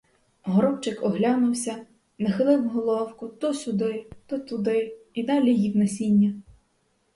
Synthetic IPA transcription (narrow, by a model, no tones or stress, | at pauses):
ɦɔɾɔwt͡ʃɪkɔɦlʲɑnʊwsʲɐ | nɐxɪlˠɪwɦɔlˠɔwkʊt̪ɔsʲʊd̪ɪt̪ɔt̪ʊd̪ɪid̪ɑlʲijiwnɛsʲinʲːɐ